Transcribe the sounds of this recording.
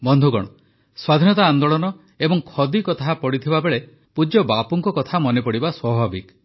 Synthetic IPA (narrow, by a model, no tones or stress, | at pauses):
bɔnd̪ʱuɡɔ̰ɽ̃ɔ | swad̪ʱinɔt̪aːnd̪oɭɔnɔ | ebɔŋkʰɔd̪ikɔt̪ʰapɔɽit̪ʰibabeɭe | pud͡ʒjɔbapuŋkɔkɔt̪ʰamɔnepɔɽibaswɔbʱabik